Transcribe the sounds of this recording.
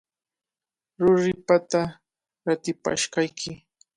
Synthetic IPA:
ɾʊɾɪpat̪a | at̪ɪpa̰ʃkajkʰɪ

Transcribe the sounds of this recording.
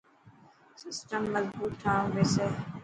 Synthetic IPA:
sɪsʈəmːɐzbuːt̪ʰːãːʋeːse

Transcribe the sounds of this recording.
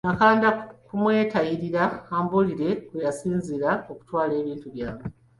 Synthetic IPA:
nakaːndakumwe̞ːtaiɾiɾaaːmbuliɾe̞kwejasiːnziɾao̞ku̥twaːle̞ːβiːntuβjaːβe

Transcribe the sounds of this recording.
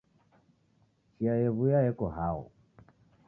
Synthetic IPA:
t͡ʃiajɛβujajɛkɔɦaɔ̰

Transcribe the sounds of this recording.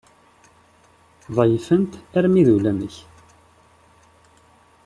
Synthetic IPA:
ðˤɑjfənt̪æɾmiðulænəç

